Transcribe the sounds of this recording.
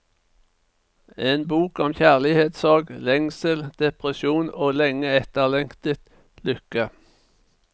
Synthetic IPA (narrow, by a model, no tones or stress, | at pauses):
eːnbuːkɔmçæːʁlɪheːt̪sɑːɡlɛŋsəld̪̥ɛpʁəsuːnoːlɛŋəɛt̪əʁlɛŋkt̪ət̪ | lʏkə